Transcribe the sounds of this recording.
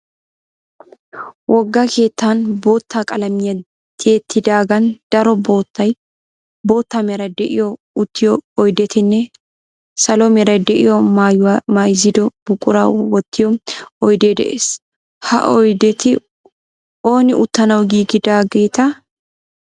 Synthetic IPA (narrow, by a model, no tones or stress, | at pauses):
wʔɔɡːɐkʰe̞ːt̪ːanbo̞ːt̪ːaːkʼɐlɐmɪjɐ | t̪ʰeːt̪ʰːɪd̪aːɡɐnd̪̥ɐɾɔbo̞ːt̪ːɐj | bo̞ːt̪ːamɛɾɐd̪ɛʔɪjɔ | ʊt̪ːɪjɔːjd̪ɛt̪ɪnːɛ | sɐlomɛɾɐd̪ɛʔɪjɔajwmajɪzɪd̪ɔb̥ʊkʼːʊɾa̰ːwɔt̪ːɪjɔɔjd̪e̞ːd̪ɛ̰ʔḛːs | hɐ̰ʔɔjd̪ɛt̪ɪ | oːnɪʔʊt̪ːɐnɐwɡiːɡɪd̪aːɡeːt̪ɐ